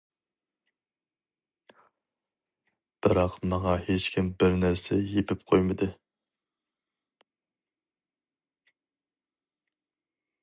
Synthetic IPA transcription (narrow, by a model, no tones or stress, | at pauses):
b̥ɪɾɑqmɑŋɑhet͡ʃkʲʰimbɪɾnæɾsɛjepʰɪp̚qʰojmɨd̪ɨ